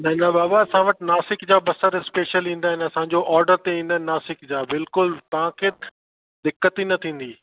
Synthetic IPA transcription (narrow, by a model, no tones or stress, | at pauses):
nɐ̃ɦɪ̃n̆d̪abaːbaɐsãʋɐʈɪnaːsɪkd͡ʑaːbɐsəɾspeːʃəlĩːnd̪aːɦɪ̃nɐsãɲ̆d͡ʑoʔɔːɾɖəɾt̪eĩːn̆d̪ənɪnaːsɪkd͡ʑaːbɪlkʊlt̪ɐʋ̤ãkʰeː | d̪ɪkːət̪inɐt̪ʰĩːn̆d̪i